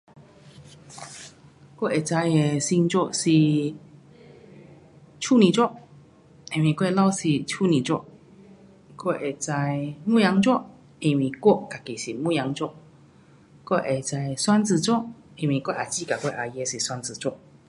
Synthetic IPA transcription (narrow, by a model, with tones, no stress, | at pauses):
kɔ˥˨ʔe˨˩t͡sa˧je˨si˧ŋt͡ɕɔ˥˧si˨ | t͡ʃʰu˥˨nĩ˨t͡swɔ˥˨ʔ | ĩ˧˨nwĩ˨kwo˥˧e˨la˥˧wsi˨t͡ɕʰu˥˧˨nĩ˨t͡ɕwɔ̰˥˧ | ko˥˩ʔe˨t͡sa˧jmũ˥˨ja˨˧˦ŋt͡swɔ˥˦ | ĩ˨˧nwĩ˨kwo˥˨ka˨˩ki˨si˨mũ˥˧˨ja˨˦ŋt͡ɕɔ˥˧ | ko˥˧˨ʔe˨t͡sa˧jswa˦˥nt͡s̩˨˧t͡sɔ˥˨ | ĩ˨nwĩ˨kwo˥˧˨ʔa˨˩t͡ɕi˦˧˨ka˨ke˥˧ʔa˨je˧˦si˨swa˧˥nt͡sɨ˨˩t͡sɔ˥˧